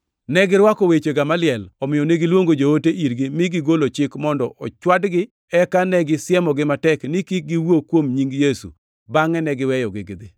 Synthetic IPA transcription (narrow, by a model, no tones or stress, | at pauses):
nɛɡɪɾwakowet͡ʃeɡamalɪɛlɔmɪjɔneɡɪlwoŋɡod͡ʒooteʔiɾɡimɪɡɪɡolot͡ʃɪkmɔndɔʔɔt͡ʃwadɡɪ | ɛkanɛɡɪsjɛmɔɡɪmatɛknɪkɪɡɪwokwomɲiŋɡjesṵ | baŋɛnɛɡɪwɛjɔɡɪɡɪd̪ɪ